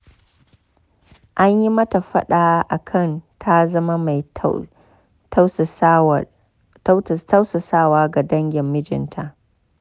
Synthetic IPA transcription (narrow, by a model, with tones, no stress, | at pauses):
ʔa˦ɲji˦mɐ˦ta˨ɸɐ̰˦ɗaː˨˦ʔa˨kʰɐ˦˨ntʰa˦zɐ˦ma˦ma˨j | ta˦ws | ta˦wsa˨saː˦˨waː˦ɡa˨dɐ˦ŋɡʲɪ˨mːɪ˦d͡ʒɪ̰˨ntʰa˦ʔ